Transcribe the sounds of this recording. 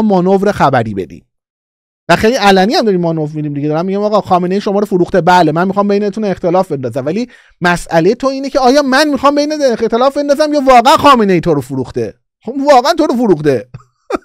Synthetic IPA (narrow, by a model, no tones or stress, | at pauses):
mɒːnovɾexæbæɾḭːbe̞̰d̪ḭːm | væxejliælæniːæmd̪ɒːɾimɒːnovɾmid̪iːmd̪iɟe̞d̪ɒːɾæmːiɟæmɒːɣɒːxɒːmene̞jiːʃomɒːɾofuɾuːxt̪e̞bælemænmixɒːmbejnet̪ʰunext̪e̞lɒːfbe̞nd̪ɒːzæmvæliː | mæsælejet̪ʰoiːnecʰeɒːjɒːmænmixɒːmbe̞jnet̪ext̪e̞lɒːfbe̞nd̪ɒzæmjɒːvɒːɣæænxɒːmene̞jiːt̪ʰoɾofuɾuːxt̪e̞ | ovɒːɣæænt̪ʰoɾofuɾuːxt̪e̞